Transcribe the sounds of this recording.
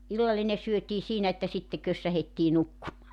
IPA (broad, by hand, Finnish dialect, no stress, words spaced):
ilːɑlːine syøtiː siːnæ etːæ sitːe køsːæhetːiː nukːumɑː